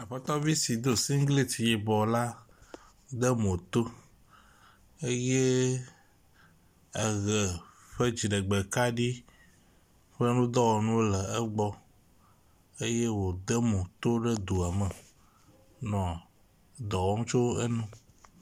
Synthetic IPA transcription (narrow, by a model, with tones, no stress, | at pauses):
a˨ɸe˦t̪ɔ˦vi˦si˨d̪o˦˨si˦ŋ˦ɡli˦ti˨je˨bɔ˨la˦ | d̪ə˦mo˨t̪o˦ | e˦je˦ | ə˨ɣɛ˨ | ɸe˦d͡ʑi˨ɖə˨ɡ͡be˨ka˦ɖi˦ | ɸe˦nũ˦d̪ɔ˦wɔ˨nũ˦wo˦lə˨ɛ˦ɡ͡bɔ˦ | e˦je˦wo˨d̪ə˦mõ˨t̪o˦ɖə˦d̪u˨a˨mə˨ | nɔ̃˨ | d̪ɔ˨wɔ˦ŋũ˦t͡ʃo˦wḛ˦nũ˦